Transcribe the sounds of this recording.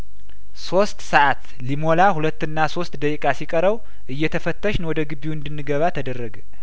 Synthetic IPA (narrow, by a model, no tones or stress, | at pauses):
so̞st̪səʔat̪ | limolahulət̪ːɨnːaso̞st̪d̪əkʼikʼasikʼəɾəw | ʔɨjːɛt̪ʰəfət̪ːəʃnwɔd̪əɡɨβiɨnd̪ɨnːɨɡəβat̪ʰəd̪ərːəɡə